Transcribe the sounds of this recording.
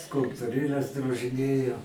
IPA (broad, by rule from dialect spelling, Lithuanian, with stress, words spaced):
skʊlˠptʊˈrʲeːlʲɛs droːʒʲɪˈnʲeːjɛʊ